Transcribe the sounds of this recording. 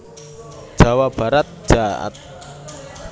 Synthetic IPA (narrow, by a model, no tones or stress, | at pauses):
d̥ʒ̥a̤wab̥a̤ɾat̪̚ʒ̥aʔa̰t̪̚